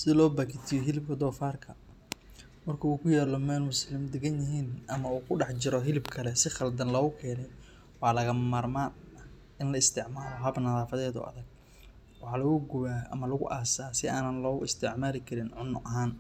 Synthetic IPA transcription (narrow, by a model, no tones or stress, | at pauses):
sɪlɔːbakʰɪt̪ʰɪjɔɦɪlɪb̚kʰɐd̪ɔːfaːrkʰɐ | mɐrkʰɐuːkʰʊjaːlɔmɛːlmʊslɪmd̪ɛɡɐnjɐɦiːnʔɐmɐuːkʰʊɖɑħt͡ʃɪɾɔɦɪlɪbkʰɐlɛsɪχɐld̪ɐnlɔɣʊkʰɛːnɛj | wɑːlɐɣɐmaːrmaːnɐ | ʔɪnlɐɪst̪ʰɪʕmaːlɔɦɐbnɐðaːfɐðɛːðʊ̰ːɐ̰ðɐɡ̚ | wɑħɑːlɐɣʊɡʊβaːʔɐ̰mɐlɐɣʊʔaːsaːsɪaːnɐnlɔːɣʊɪst̪ʰɪʕmaːlɪkʰɐɾɪnʕʊnʔɐɦaːn